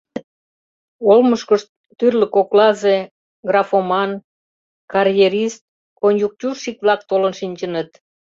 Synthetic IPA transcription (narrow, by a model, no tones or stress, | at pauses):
olməʃkəʃt̪̚ːyrlə̆koklɑze | ɡrɑfomɑn | kɑrjeɾist̪̚ | konjuk̚tʲurʃik̚βlɑk̚t̪olənʃinʲt͡ɕənət̪